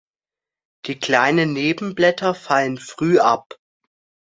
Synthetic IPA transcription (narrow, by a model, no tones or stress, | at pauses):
d̥iːkl̥aɪnənːeːbm̩blɛtɐfalənfʁ̥yːʔap